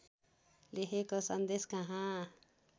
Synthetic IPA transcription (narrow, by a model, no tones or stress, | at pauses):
leɦekosʌnd̪eskaɦã